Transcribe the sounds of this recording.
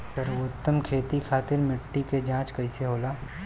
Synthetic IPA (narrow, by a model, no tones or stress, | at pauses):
sɐɾʊt̪ːəmkʰeːt̪ikʰaːt̪ɪɾmɪʈːiked͡ʒãːt͡ʃkɐiseɦoːlaː